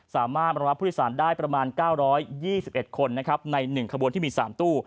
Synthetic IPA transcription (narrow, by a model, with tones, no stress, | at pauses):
saː˩˦maː˥˩ba˧ɾp̪̚ʰːsaː˩˦ndaː˥˩jpɾa˧maː˧nkaː˥˩wɾɔː˦˥jːiː˥˩si˨˩p̚ʔe˨˩t̪̚kʰo˧nːa˦˥kʰɾa˦˥p̚na˧jnɯ˨˩ŋkʰa˧bu˧ənt̪ʰiː˥˩miː˧saː˩˦mt̪uː˥˩